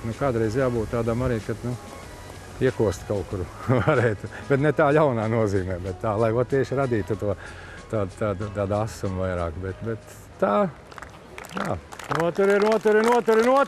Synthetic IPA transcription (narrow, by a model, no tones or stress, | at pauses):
nukaːd̪ɾɛjzjaːbuːt̪t̪aːd̪amaɾiːkad̪nu | iɛkuɔst̪kaʊkuɾ | vaɾɛːjt̪u | b̥ɛt̪nɛt̪aːjawnaːnuɔziːmɛːbɛt̪t̪ːaːlˠajʋat̪iɛʃɾad̪iːt̪ut̪uɔ | t̪aːd̪t̪aːd̪t̪aːd̪asumvajɾaːkbɛt̪bɛt̪ː | aː | jaːnuɔt̪uɾiɾnuɔt̪uɾinuɔt̪uɾɪnuɔ